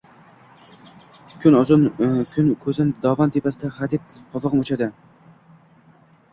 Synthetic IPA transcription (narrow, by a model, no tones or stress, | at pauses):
kʲʰʊnnkʰʊnkʰɵzɪnɪd̪ɒvant̪ʰepʰasɪd̪aχad̪ɪp̚pʰɒfɑʁɨmot͡ʃad̪ɪ